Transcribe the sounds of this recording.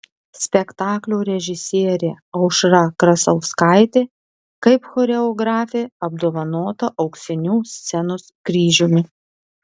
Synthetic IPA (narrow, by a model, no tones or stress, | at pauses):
sʲpʲɛkt̪ɑːklʲoːɾʲɛʒʲɪsʲiːɾʲeː | ɐʊʃɾɐkɾɐsɐʊskɑɪt̪ʲeː | kɐɪpxɔɾʲɛɔɡɾɑːfʲeɐb̚d̪oːʋɐnoːt̪ɐʔɐʊksʲɛnʲuːsʲt̪sʲɛnʊskɾʲiːʒʲumʲɪ